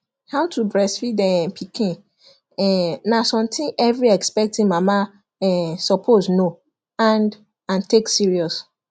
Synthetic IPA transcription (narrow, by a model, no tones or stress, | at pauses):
hãtʰubɹɛsfidɛ̃pʰikĩ | ɛnasɔ̃mtʰĩʔɛvɹiɛkspɛk̚tĩnmama | ɛsɔpʰozno | ãnd | ãnteksiɹiɔs